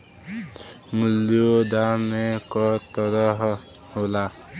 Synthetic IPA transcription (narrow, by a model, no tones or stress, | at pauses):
mʊlod̪amẽkɔt̪ɔɾəɦ | hola